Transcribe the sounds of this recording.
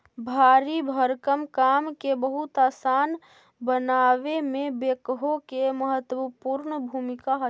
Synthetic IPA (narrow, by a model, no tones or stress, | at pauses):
bʱaːɾibʱəɾkəmkaːmkebəɦʊt̪aːsaːn | bənaːʋemẽbeːkɦokeməɦət̪wəpuɾɳəbʱumɪkaɦə